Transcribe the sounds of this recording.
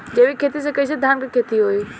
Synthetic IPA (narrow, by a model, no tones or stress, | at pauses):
d͡ʑɐʋikʰeːt̪is̬ekɐised̪ʱaːnkekʰeːt̪iɦoiː